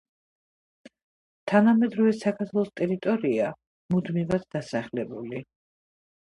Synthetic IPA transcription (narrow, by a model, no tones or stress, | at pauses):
t̪ʰanamɛd̪ɾɔvɛsakʰaɾt̪ʰwlˠɔst̪ʼɛɾit̪ʼɔɾia | mud̪mivad̪̚d̪asaχlɛbuli